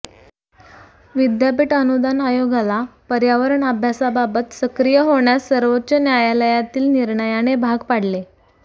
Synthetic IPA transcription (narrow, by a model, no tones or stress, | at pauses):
ʋid̪japiːʈənud̪anajoɡalapəɾjaʋəɾəɳəbʱjasababət̪səkɾijəɦoɳjasːəɾʋot̪ːt͡ɕənjajaləjat̪iːlniɾɳəjaɽ̃ebʱaɡpaɽ̤le